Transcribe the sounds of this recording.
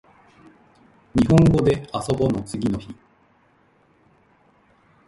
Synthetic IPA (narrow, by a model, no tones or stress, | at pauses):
ɲ̟iɦõŋɡo̞d̪e̞aso̞bo̞no̞t͡sɨɡʲino̞çi